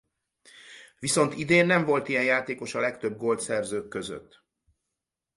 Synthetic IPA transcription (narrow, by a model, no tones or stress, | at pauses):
ʋiso̞nt̪id̪eːnːɛɱvo̞lt̪ijɛnjaːt̪eːko̞ʃɒlɛkt̪ø̞b̚ɡo̞lt̪sɛrzøːkːøzø̰t̪ː